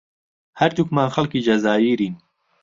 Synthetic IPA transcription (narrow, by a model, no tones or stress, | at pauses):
hɐɾt̪ukmaːnxɐlkiːd͡ʒɐzaːjiːɾiːn